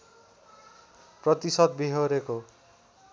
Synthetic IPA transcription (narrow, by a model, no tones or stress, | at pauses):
prʌt̪isʌd̪biɦoɾeko